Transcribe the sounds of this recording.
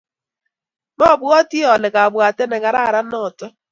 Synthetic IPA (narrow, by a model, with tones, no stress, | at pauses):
mɔ˦˨bʊ˨˦ɔ˦ti˦ɔ˨lɪ˨ka˨bʊ˨a˨te˦ne˨ŋa˨ɾa˦˨ɾa˦nɔ˦˨tɔ˦